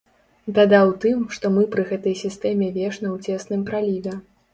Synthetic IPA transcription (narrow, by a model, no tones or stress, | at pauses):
d̪ad̪awt̪ɨmʂt̪ɔmɨpɾɨɣɛt̪ɐjsʲist̪ɛmʲɛvʲɛʂnɐwt͡sʲɛsnɨmpɾalʲivʲɛ